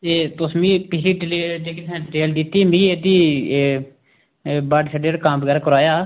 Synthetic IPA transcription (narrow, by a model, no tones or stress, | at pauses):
t̪eːt̪ʊsmĩːpɪɾiːʈleːd͡ʒ̪eːkit̪ɛ̃ːɖɪʈeːld̪it̪ːiːmĩːeːd̪iː | baɖsʰəɖeːɾkãːmbəɡɛːɾaːkəɾaːjaː